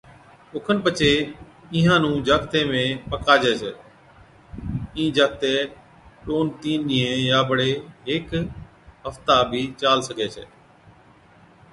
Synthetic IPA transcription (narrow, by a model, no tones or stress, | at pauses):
ʊkʰənpət͡ʃʰeː | ɪɦãːnũːd͡ʒaːkt̪ẽːmẽːpəkaːd͡ʒɛːsɛː | ĩːd͡ʒaːk̚t̪eː | ʈoːnt̪iːnnɪẽːjaːbəɽeːɦɪk | ɦəft̪aːbʱiːt͡ʃaːlsəkeːsʰɛ̰ː